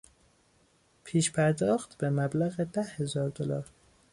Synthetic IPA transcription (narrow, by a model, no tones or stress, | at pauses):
pʰiːʃpʰæɾd̪ɒːxt̪bemæblæɣed̪æhhe̞zɒːɾd̪olɒːɾ